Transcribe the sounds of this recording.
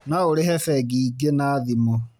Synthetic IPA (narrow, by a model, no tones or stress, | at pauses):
naoɾehɛfɛɡiɡenaðimo